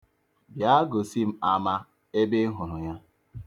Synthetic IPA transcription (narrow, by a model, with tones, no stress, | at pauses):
bja˦ɡo˨si˦m̩˦a˨ma˦ | e˦be˦ɦʊ˨ɾʊ˨ɲa˦